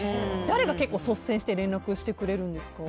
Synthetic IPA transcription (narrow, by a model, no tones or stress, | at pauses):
d̪aɾe̞ɡake̞kːo̞ːso̞sẽ̞ɕi̥t̪eɾẽ̞nɾakɯ̟ɕi̥t̪e̞kɯ̟ɾe̞ɾɯ̟̃nd̪esɨ̥ka